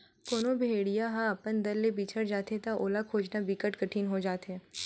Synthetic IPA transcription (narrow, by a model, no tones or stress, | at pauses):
foːnobʱeːɽijaɦãɐpənd̪ɐɾːebiːt͡ʃʰəɽd͡ʒaːt̪et̪aʔoːlakʰoːd͡ʒnabikəʈkəʈʰiːnɦod͡ʒaːt̪ɦɛː